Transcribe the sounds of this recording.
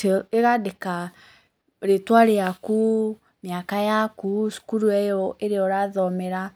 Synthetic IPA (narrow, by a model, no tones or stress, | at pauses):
eɣadeka | ɾetwaɾeaku | mjakajakusu̥kuɾuɛjɔʔeɾeɔɾaðɔmɛɾa